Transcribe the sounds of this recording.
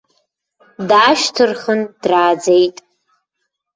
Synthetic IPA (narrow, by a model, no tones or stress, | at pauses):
daːʃtʰɨrχənd̥raːd͡zejtʼ